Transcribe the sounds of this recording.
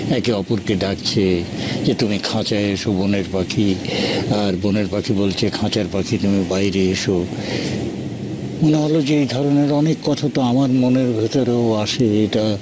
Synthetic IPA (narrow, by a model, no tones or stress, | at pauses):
ɛkeɔpoɾkeɖakt͡ɕʰed͡ʑet̪umikʰãt͡ɕaeeʃoboneɾpakʰiaɾboneɾpakʰibolt͡ɕʰekʰãt͡ɕaɾpakʰit̪umibajɾeeʃo | moneɦolod͡ʑeejd̪ʱɔɾoneɾɔnekːɔt̪ʰat̪oamaɾmoneɾbʱet̪oɾeoaʃeeʈa